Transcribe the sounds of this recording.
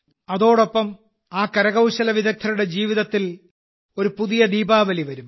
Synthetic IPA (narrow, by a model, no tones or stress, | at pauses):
ɐðo̞ːɽo̞pːɐm | aːkɐɾɐɣɐwɕɐlɐʋiðɐk̚t̪ʰːɐɾuɽe̞d͡ʑiːʋiðɐt̪ːil | o̞ɾupuðijɐd̪iːbaːʋɐliʋɐɾum